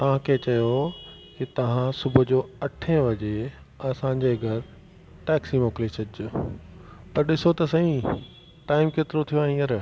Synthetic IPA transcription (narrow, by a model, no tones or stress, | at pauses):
t̪ɐʋ̤ãkʰeːt͡ɕɐjo | kit̪ɐʋ̤ãsʊbʱʊ̆d͡ʑoːɐʈʰẽʋɐd͡ʑe | ɐsãɲ̆d͡ʑeːɡʱɐɾ | ʈɛːksimoːklet͡ɕʰɐdɪd͡ʑʊ | pɐɾɗɪsot̪ɐsɐĩ | ʈaːɪmkeːt̪ɪɾot̪ʰijoaːɦĩəɾ